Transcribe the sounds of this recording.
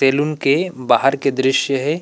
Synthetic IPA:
seːlʊnkebaːɦəɾked̪ɾɪʃjəɦɛ

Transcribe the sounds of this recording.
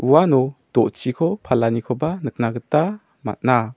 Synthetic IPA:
uanɔd̥ɔʔt͡ʃikʰɔpʰalanikʰɔbanək̚naɡəta | ma̰t̚na

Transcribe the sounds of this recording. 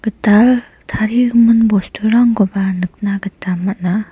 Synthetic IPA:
ɡ̥ətal | t̪ʰaɾikmənbostʰuɾaŋɡobanək̚naɡətamat̚na

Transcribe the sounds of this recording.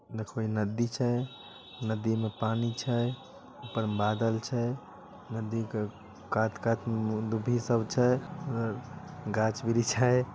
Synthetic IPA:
d̪ekʰoinəd̪it͡ʃʰə | nəd̪imepanit͡ʃʰə | upəɾbad̪əlt͡ʃʰə | nəd̪ike | kat̪kat̪ʰmed̪ubʱisəbt͡ʃʰəəɾɡat͡ʃbiɾit͡ʃʰəj

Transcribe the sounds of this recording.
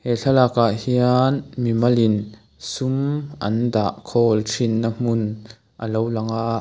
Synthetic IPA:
hɛɬɐlakaʔhianmimɐlin | sumʔɐ̰nda̰ːʔkʰɔːlʈ͡ʂʰinːam̥un | ʔə̰lowlɐŋaʔʔ

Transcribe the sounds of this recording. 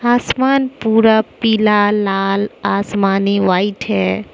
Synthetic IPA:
aːsmaːnpuːɾapilaːaːlaːsmaːniʋaːiʈɦɛ

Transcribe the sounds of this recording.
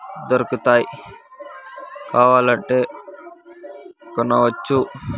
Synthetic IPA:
d̪ɐɾkut̪aːi | kaːʋaːlɐɳʈːe | kɐnːɐʋɐt͡ʃːu

